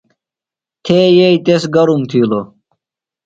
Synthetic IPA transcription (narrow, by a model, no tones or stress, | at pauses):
t̪ʰeːjeit̪esɡɐɾumt̪ʰiːlo